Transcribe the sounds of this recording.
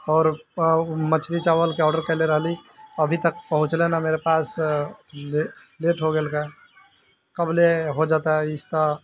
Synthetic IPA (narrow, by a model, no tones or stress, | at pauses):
ɔːɾ | mət͡ʃʰɾit͡ʃaːʋəlkeɔːɖəɾkɛleɾəɦliəbʱit̪əkpəɦʊ̃t͡ʃlenameɾepaːs | l | leʈɦoɡeːlke | kəbleɦod͡ʒaːt̪aɦɛɪst̪ə